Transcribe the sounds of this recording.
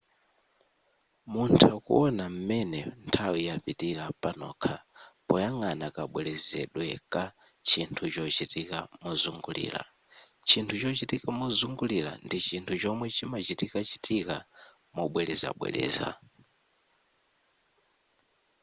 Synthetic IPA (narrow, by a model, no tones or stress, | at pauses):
muntʰakṵɔnam̩mɛnɛ̰ntʰawijapitiɾapanɔ̰kʰapɔjaŋanakaɓwɛlɛzɛ̰ɗwɛka | t͡ʃintʰut͡ʃɔt͡ʃitikamɔzuŋɡulḭːla̰ | t͡ʃintʰut͡ʃɔt͡ʃitikamɔzuŋɡulila̰ndit͡ʃintʰut͡ʃɔmwɛt͡ʃimat͡ʃitikat͡ʃitʰika | mɔɓwɛlɛza̰ɓwɛ̰lɛ̰ːza̰